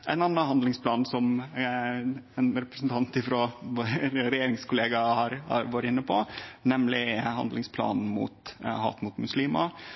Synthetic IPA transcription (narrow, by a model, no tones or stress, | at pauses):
æɪnɑnːɑɦɑnd̪lɪŋspʰlɑːnsɔm | ɛnɾɛpɾəsn̩t̪ʰɑnt̪ɪfɾoːʋɾɛjeːɾɪŋskʊleːɡɑhɑɾhɑ̰ɾʋɑɾəɪnːəpʰɔnɛmlɪhɑ̰nd̪lɪŋspʰlɑ̰ːnmṵːt̪hɑ̰ːt̪mʊt̪mʉsliːmɑ